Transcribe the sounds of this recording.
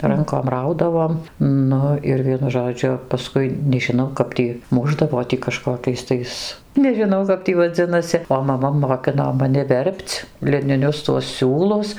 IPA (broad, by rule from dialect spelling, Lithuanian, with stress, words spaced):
ˈrɐŋkoːm ˈrɐʊdɐʋoːm ˈnʊ ɪr ˈʋʲiɛnʊ ʒoːˈd͡ʒʲʊ pɐˈskʊɪ nʲɛʒʲɪˈnɐʊ ˈkɐp tʲiː ˈmʊʒdɐʋoː tʲiː kɐˈʃkoːkʲɛɪs tɐɪs nʲɛʒʲɪˈnɐʊ kɐp ˈtʲiː ʋɐˈd͡zʲɪnɐsʲɪ oː mɐˈmɐ moːˈkʲɪnoː mɐˈnʲɪ ˈʋʲɛrʲpʲt͡s lʲɪnʲɪˈnʲʊs tuɔs ˈsʲuːlˠʊs